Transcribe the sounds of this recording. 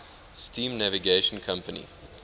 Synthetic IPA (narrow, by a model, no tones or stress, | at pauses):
stʰĩːmnæviɡeʃə̃nkʰãmpənḭ